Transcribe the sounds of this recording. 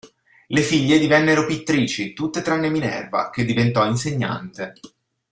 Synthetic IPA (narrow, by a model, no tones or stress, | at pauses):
lefiʎːed̪ivɛnːeɾopit̪ːɾiːt͡ʃit̪ut̪ːet̪ɾanːeminɛ̰rva̰k̟ed̪ːivent̪ɔinseɲːa̰nt̪e